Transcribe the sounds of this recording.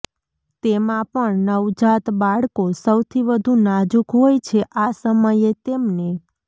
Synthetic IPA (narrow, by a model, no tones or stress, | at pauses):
t̪emãpəɳnəʋd͡ʒat̪baɭkosəwt̪ʰiʋəd̪ʱunad͡ʒukɦojt͡ʃʰeʔasəməjet̪emne